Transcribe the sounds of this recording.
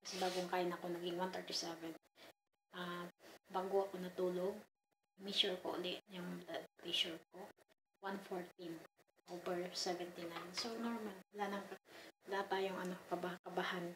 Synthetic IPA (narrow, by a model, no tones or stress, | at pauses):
kɐsɛbaːɡoŋkaːjɪnɐko̞nɐɡɪŋwant̪ɛɹt̪isɛvɛn | ʔabaɡoʔɐkonɐt̪uːloɡ̚ | mɛʃuɹko̰ʔʊ̰lɛʔɲʊŋblad̪̚pliʃʊɹk̚o | wanfoɹt̪̚im | ʔoːvɛɹsɛvɛnt̪ɪnajnsonoɹmalwɐlaːnɐŋkɐwɐlɐat̪ːaːjoŋʔɐnɐkokɐbakɐbahan